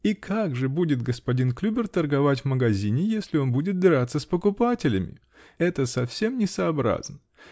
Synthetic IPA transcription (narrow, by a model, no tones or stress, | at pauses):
ikʰaɡʐɨbudʲɪt̪ɡəspɐdʲinklʲubʲɪrt̪ərɡɐvatʲvməɡɐzʲinʲɪjesʲlʲɪo̞nbudʲɪt̪̚b̪ʲɪɾat̪sːəspəkʊpatʲɪlʲɪmʲɪ̰ | ɛt̪əsɐfsʲe̞mnʲɪsɐːbɾa̰znə